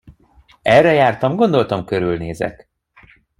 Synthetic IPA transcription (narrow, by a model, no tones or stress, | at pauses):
ɛrːɛjaːrt̪ɒmɡo̞nd̪o̞lt̪ɒmkøɾylneːzɛ̰k